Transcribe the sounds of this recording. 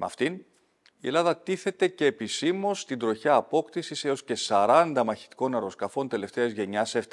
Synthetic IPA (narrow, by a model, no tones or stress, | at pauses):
mɐ̰ft̪in | ie̞lɐðɐt̪iθe̞t̪e̞ce̞ːpisimo̞st̪ind̪ɾo̞çɐːpo̞kt̪isise̞o̞sce̞sɐɾɐnd̪ɐmɐçi̥t̪i̥ko̞nɐɾo̞skɐfo̞nt̪e̞le̞ft̪e̞ɐzʝe̞ɲɐse̞ft̪